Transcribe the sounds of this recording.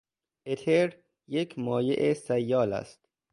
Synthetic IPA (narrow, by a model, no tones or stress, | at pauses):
ʔet̪ʰeɾ | jekʰmɒːjeʔesæjːɒːlæ̰st̪